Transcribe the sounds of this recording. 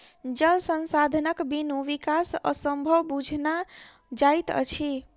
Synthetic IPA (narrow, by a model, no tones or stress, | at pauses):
d͡ʒəlsənsad̪ʱnəkbinuʋikasə̰səmbʱəwbud͡ʒʱna | d͡ʒajt̪ə̰t͡ʃʰi